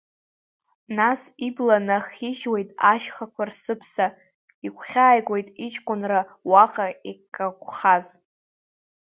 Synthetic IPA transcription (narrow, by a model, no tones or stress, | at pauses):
nasiblanaχiʒwejtʼaʃχakʷʰarsɨpʰsa | ikʷʰχʲaːjɡʷʼojtʼit͡ʃʰʼkʷʼʊnrawaqʼaikʼakʷʰʼχaz